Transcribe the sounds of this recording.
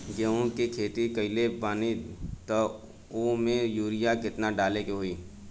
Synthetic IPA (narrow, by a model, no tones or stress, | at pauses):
ɡeõkikʰeːt̪ikɐɪlebaːnit̪ɐ | omẽjuːɾɪjakɪt̪naɖaːlekeɦoiː